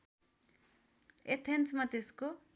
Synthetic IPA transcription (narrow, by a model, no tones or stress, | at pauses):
et̪ʰensmat̪esko